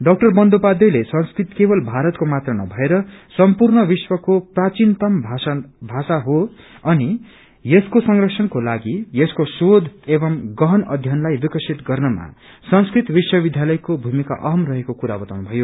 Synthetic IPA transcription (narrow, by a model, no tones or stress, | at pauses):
ɖʌk̚ʈʌrbʌnd̪opad̪ʌjlesʌnskrit̪kebʌlbʱaɾʌt̪komat̪rʌnʌ̰bʱʌeɾʌsʌmpurnʌbiswʌkoprat͡ʃint̪ʌmbʱabʱasaɦo | ʌni | jeskosʌŋrʌksʰʌnkolaɡijeskosod̪ʱebʌmɡʌɦʌnʌd̪ʱjʌnlajbikʌsʰit̪ɡʌrnʌma̰ | sʌnskrit̪biswʌbid̪ʱjalʌjkobʱumika̰ʔʌɦʌmrʌɦekokuɾabʌt̪awnbʱʌjo